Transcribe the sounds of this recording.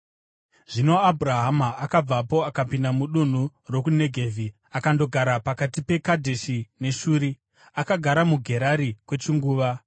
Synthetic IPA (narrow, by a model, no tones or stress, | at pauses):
ʐ̥ino̞abʱuraɦamaːkab͡vapo̞akapindamuɗun̤uro̞kune̞ɡʱe̞ːvʱi | akando̞ɡʱaɾapakatipe̞kadʱe̞ʃine̞ʃuːɾi | akaɡʱaɾamuɡʱe̞ɾaɾikwe̞t͡ʃiŋɡuːʋa